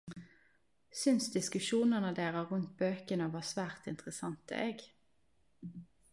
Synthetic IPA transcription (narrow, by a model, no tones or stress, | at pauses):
sʏnsd̪ɪskʉʃuːnəʁnəd̪eːʁəʁʉnt̪̚bøːkənəʋɑːsʋæːʁt̪ɪ̰nt̪ʁəsɑnt̪ə̰ʔeːɡ